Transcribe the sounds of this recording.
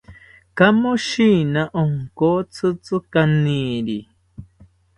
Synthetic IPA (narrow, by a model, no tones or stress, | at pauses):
kamoʃinaʔoŋkot͡sʰɨt͡sɨkaniɾi